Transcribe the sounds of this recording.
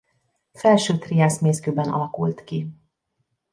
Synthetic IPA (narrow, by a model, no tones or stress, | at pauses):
fɛlʃøːt̪riaːsmeːskøːbɛnʔɒ̰lɒkult̪ki